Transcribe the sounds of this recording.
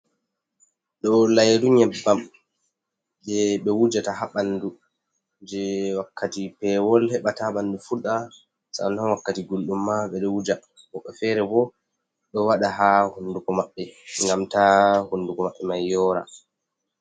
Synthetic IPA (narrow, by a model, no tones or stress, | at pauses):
ɗɔlajɾuɲɛbːam | d͡ʒɛɓɛwud͡ʒataɦaɓandu | d͡ʒɛwakːatipɛwɔlhɛɓataɓanːdufuɗa | sa̰nanwakːatiɡolɗumːaɓɛɗɔwud͡ʒa | hɔɓːɛfɛːɾɛbɔ | ɗɔwaɗaɦahunːdukɔmaɓːɛŋɡamtahundukɔmaɓːɛmajːɔːɾa̰